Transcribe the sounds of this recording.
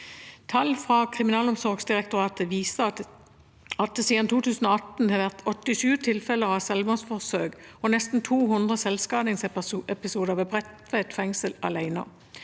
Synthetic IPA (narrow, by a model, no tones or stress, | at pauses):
t̪ʰɑlfʁɑːkʰʁɪmɪnɑːlɔmsɔʁɡsd̪ɪʁɛkt̪ʊʁɑːt̪əʋiːsə | ɑt̪̚siːd̪ɑnt̪uːt̪ʰʉːsn̩ɔɑt̪n̩hɛʋæʁt̪ɔt̪ːɪʃʉːt̪ʰɪlfɛləʁɑsɛlmosfɔʁsøːɡɔnɛst̪n̩t̪ʰuːɦʊnd̪ʁəsɛlskɑːnɪŋsʔɛpɪsuːd̪əʁʋɛbʁɛt̪ʋɛt̪fɛŋsəlɑ̰læɪnə̰